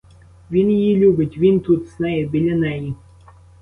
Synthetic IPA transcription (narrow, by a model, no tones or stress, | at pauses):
vʲinjilʲuɡət̪ʲvint̪ut̪snajəbʲilʲenaji